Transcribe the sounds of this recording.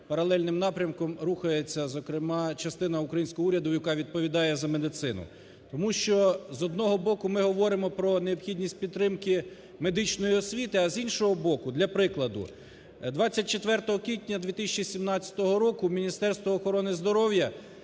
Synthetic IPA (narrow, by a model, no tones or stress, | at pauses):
pɐɾɐlˠɛlʲnɪmnɑpɾʲɐmkɔmɾuxɐjet͡sʲːɐzɔkɾɪmɑt͡ʃɐst̪ɪnɐukɾɐjinʲsʲkɔɦɔuɾʲɐd̪ʊjɐkɑʋʲid̪̚pɔʋʲid̪ɑjɛzɐme̞d̪ɪt̪sɪnʊ̰ | t̪ɔmuʃt͡ʃɔzɔd̪̚nɔɦɔbɔkʊmɪɦɔʋɔɾɪmɔpɾɔneɔpxʲidʲnʲisʲt̚ʲpʲid̪t̪ɾɪmkɪ | me̞d̪ɪt͡ʃnɔjiɔsʲʋʲit̪ɪɐzinʃɔɦɔbɔkʊd̪lʲɐpɾɪklˠɐd̪ʊ̰ | d̪ʋɑt͡sʲːɐt̚ʲt͡ʃet̪ʋɛrt̪ɔɦɔkʲʋʲit̪ʲnʲɐd̪ʲʋʲit̪ɪsʲt͡ʃisʲimnɑt͡sʲɐ̥t̪ɔɦɔɾɔkʊmʲinʲist̪ɛrst̪ʋɔːxɔɾɔnɪzd̪ɔɾɔwjɐ